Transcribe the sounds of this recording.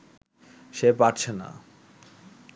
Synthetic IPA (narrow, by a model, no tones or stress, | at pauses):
ʃepaʈt͡ɕʰena̰